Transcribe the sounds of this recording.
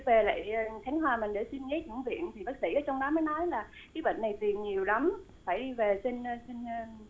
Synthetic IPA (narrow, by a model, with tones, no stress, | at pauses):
ve˨˩la̰ː˧˨jxʰa˨˦jŋ̟ɦwaː˨˩mï˨˩ŋɗḛ˧˩si˧nŋe˨˦˥ɲɨ̰˧˥ŋvḭ˧˨ənt̪ʰi˨˩ɓaː˦˥t̚sḭ˧˩ʔəː˨˦t͡ɕɔ˧wŋ͡mɗɔ˨˦məː˨˦jnɔ˨˦jlaː˨˩ | kaː˨˦jɓə̰ː˧˨nːa˨˩jt̪i˨˩əŋɲi˨˩əwla˨˦m | faː˧˩jɗi˧ve˨˩si˧nː˧si˧nː˧